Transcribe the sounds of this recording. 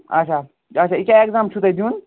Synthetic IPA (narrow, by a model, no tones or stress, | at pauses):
ɐ̰t͡ʃʰa | ɐt͡ʃʰaikaekzaːmt͡ʃʰut̪ɐd͡ʒuːn